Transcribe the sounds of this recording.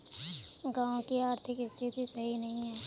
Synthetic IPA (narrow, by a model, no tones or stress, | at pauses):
ɡaːõkiaːɾt̪ʰɪkɪst̪ʰit̪isɐɦinɐɦĩɦɛː